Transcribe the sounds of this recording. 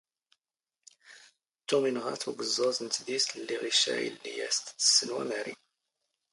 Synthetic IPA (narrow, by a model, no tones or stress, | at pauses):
t̪ːuminʁa̰θuɡəzˤːɑzˤənt̪ðist̪əlːiʁiʃæ̰jə̰lːijæst̪ːə̥sːənwæ̰mæɾḭ